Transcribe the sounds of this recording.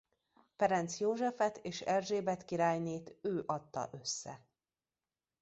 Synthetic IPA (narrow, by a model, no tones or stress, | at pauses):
fɛɾɛnt̪sjoːʒɛfɛt̪eːʃɛrʒeːbɛt̪kiɾaːjneːt̪øːʔɒt̪ːɒ̰ʔø̞sːɛ̰